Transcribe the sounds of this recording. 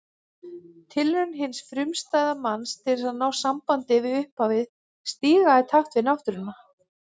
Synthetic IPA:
t̪ʰɪlʏnɦɪnsfɾʏmst̪aːjðamanst̪ʰɪlɪsaðnaːwsampant̪ɪvɪʏhpavɪð | st̪iːɣaɪt̪ʰaht̪vɪnaft̪ʏɾɪnːa

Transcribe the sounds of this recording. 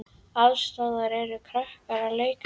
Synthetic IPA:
aðst̪aːðaɾɛɾʏkʰɾahkaɾaleːjk

